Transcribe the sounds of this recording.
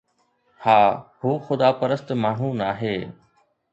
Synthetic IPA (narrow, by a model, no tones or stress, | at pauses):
haːhuːxʊd̪aːpəɾəst̪maːɳ̤ũnaːɦeː